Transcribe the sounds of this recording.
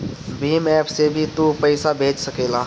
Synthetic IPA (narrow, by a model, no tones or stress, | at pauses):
biːmɛːpʰsebʱit̪upəɪsabʱeːd͡ʒsəkeːla